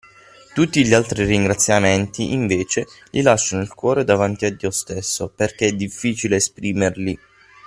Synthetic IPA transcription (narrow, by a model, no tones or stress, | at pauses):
t̪ut̪ːiʎialt̪ɾiriŋɡɾat̪sːjamɛnt̪iʔiɱveːt͡ʃelʔilaʃːanoilkwɔːɾed̪avant̪iad̪ːiːost̪esːoperk̟eɛd̪ifːiːt͡ʃileːspɾiːmerli